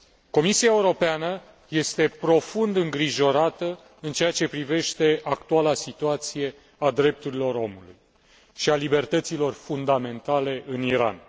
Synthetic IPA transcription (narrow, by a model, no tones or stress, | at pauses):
ko̞misiae̞uɾo̞peanə | je̞st̪e̞pɾo̞fund̪ɨŋɡɾiʒo̞ɾat̪ə | ɨnt͡ʃe̞at͡ʃe̞pɾive̞ʃt̪e̞ʔakt̪ualasit̪uat̪sije̞ | ad̪ɾe̞p̚t̪uɾilo̞ro̞mulṵj | ʃialibe̞rt̪ət̪silo̞rfund̪ame̞nt̪ale̞ʔɨniɾa̰n